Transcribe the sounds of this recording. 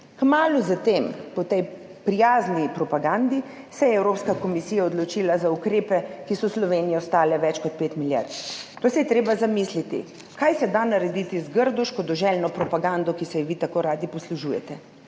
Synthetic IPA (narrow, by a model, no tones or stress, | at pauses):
kmaːluzat̪eːmpɔt̪ɛj | pɾijaːznipɾɔpaɡand̪i | sɛjɛɛwɾopskakomisiːjaɔd̪lɔt͡ʃiːlazaukɾeːpɛkisɔslɔʋeːnijɛst̪aːlɛʋɛt͡ʃkɔt̪̚peːt̪milja̰ɾt̪t̪oːsɛjɛt̪ɾeːbazamiːslit̪ḭ | kajsɛd̪anaɾɛd̪it̪izɡəɾd̪ɔʃkɔd̪ɔʒɛlnɔpɾɔpaɡand̪ɔkisɛjʋit̪akoːɾaːd̪ipɔsluʒujɛ̰t̪ɛ